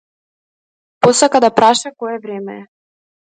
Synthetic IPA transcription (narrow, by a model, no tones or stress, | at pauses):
posakad̪apɾaʃakɔjɛvɾɛmɛ̰ɛ